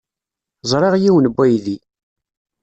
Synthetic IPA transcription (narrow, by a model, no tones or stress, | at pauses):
zˤɾˤeʁjiwənbʷːæjði